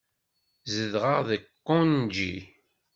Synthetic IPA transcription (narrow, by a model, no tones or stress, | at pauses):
zəðʁəʁðəkːond͡ʒi